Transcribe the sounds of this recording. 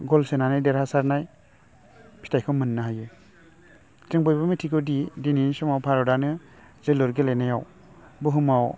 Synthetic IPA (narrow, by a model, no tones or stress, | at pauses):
ɡɔlsenanajdeɾasaɾnaj | pʰi̥tʰajkʰɯwmɯnːaɦaje | teŋbɔjbamitʰiɡɔdidininsɔmawpʰaɾɔdanɯ | zelɔɾɡelenajaw | buɦɯmaw